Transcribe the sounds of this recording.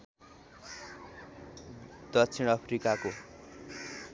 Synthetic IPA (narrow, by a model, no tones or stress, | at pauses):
d̪̥ʌt͡sʰiɽ̃ʌpʰrikako